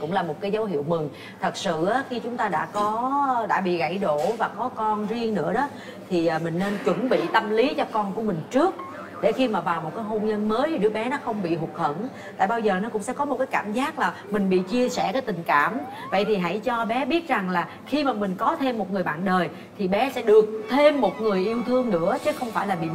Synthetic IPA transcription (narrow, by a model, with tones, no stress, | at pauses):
kʊ̰˧˥ŋ͡mlaː˨˩mo˨˩t̚kaː˨˦jzə˨˦wɦi˧˨əwmï˨˩ŋ | t̪ʰə˨˩t̚sɨ̰˧˨ʔaː˨˦xi˧t͡ɕʊ˨˦ŋ͡mt̪aː˧ɗa̰ː˧˥kɔ˨˦ɗa̰ː˧˥ɓḭ˧˨ɣa̰˧˩jɗo˧˨vaː˨˩kɔ˨˦kɔ˧nzi˧əŋnɨ̰˧˥əɗɔ˨˦ | t̪ʰi˨˩ʔːmï˨˩ŋne˧nt͡ɕwə˧˩nɓḭ˧˨t̪ə˧mli˨˦t͡ɕɔ˧kɔ˧nku˧˩əmï˨˩ŋ̟t͡ɕɨ˦˥ək̚ | ɗḛ˧˩xi˧maː˨˩vaː˨˩wmo˨˩t̚kaː˨˦jɦo˧nɲə˧nməː˨˦ji˨˩ɗɨ̰˦˥k̚ɓɛ˨˦nɔ˨˦xə˧wŋ͡mɓḭ˧˨ɦʊ˨˩k̚hə̰˧˩˨nt | t̪a̰ː˧˨jɓaː˧wzəː˨˩nɔ˨˦kʊ̰˧˥ŋ͡msɛ̰˧˥kɔ˨˦mo˨˩t̚kaː˨˦jkaː˧˩mzaː˦˥k̚laː˨˩mï˨˩ŋ̟ɓḭ˧˨t͡ɕi˧əsɛ˧˩kaː˨˦jt̪ï˨˩ŋ̟kaː˧˩m | və̰˧˨jt̪ʰi˨˩ɦa̰˧˥˩jt͡ɕɔ˧ɓɛ˨˦ɓi˦˥ət̚za˨˩ŋlaː˨˩ | xi˧maː˨˩mï˨˩ŋ̟kɔ˨˦t̪ʰe˧mːo˨˩ŋɨ˨˩əjɓa̰ː˧˨nɗəː˨˩j | t̪ʰi˨˩ɓɛ˨˦sɛ̰˧˥ɗɨ˨˩ək̚t̪ʰe˧mːo˨˩t̚ŋɨ˨˩əjʔi˧əwt̪ʰɨ˧əŋnɨ̰˧˥ət͡ɕə˨˦xə˧wŋ͡mfaː˧˩jlaː˨˩ɓḭ˧˨